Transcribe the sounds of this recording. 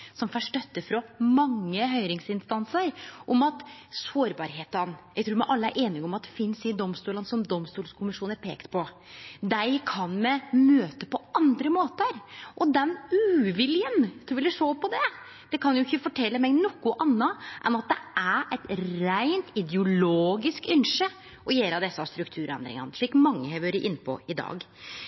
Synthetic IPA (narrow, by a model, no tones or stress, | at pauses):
sɔmfɔʂʈœt̪ːəfɾɔmɑŋːəɦœʏɾɪŋsɪnst̪ɑnsəɾʔɔmɑt̪soːɾbɑɾɦeːt̪ənjæɡt̪ʰɾuːɾmæʔɑlːəæ̰ɾʔeːnɪɡɔmɑt̪̚d̪ɛfɪnsɪd̪ɔmst̪uːlənsɔmd̪ɔmst̪uːlskʰʊmɪʂuːnæɾpʰḛːkt̪pʰɔ | d̪æɪkʰɑnmɛmøːt̪əpɔɑnd̪ɾəmoːt̪əɾʔɔd̪ɛnʉːʋɪljənt̪ʰɾuːʋɪlɛʂoːpɔd̪ɛ | d̪̥ɛkʰɑnjʊɪçːəfɔʈʰɛlːəmɛɡnɔkːʊʔɑnːɑʔɛnɑt̪̚d̪ɛ̰æɛt̪ɾæɪnt̪ɪd̪jʊloːɡɪskʏnʂə | ʔɔjeːɾɑd̪ɛsːɑst̪ɾʉkt̪ʰʉːɾɛ̰nd̪ɾɪ̰ŋɑ̰nəʂɭiːkmɑŋːəhɛɪʋøːɾəʔɪnːpʰɔ̰ɪd̪ɑ̰ːɡ